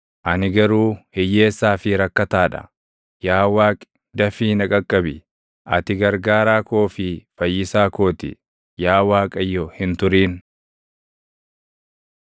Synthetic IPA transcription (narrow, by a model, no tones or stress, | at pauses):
ʔɐnɪɡɐɾuːhɛjːe̞ːsːaːfɪɾɐkːɐt̪aːᶑɐ̰ | jaːwaːkʼ | d̪ɐfiːnɐkʼɐkʼːɐbɪ | ʔɐt̪ɪɡɐɾɡaːɾaːko̞ːfɪfɐjːɪsaːko̞ːt̪ɪ̰ | jaːwaːkʼɐjːɔhɪnt̪ʊɾiːn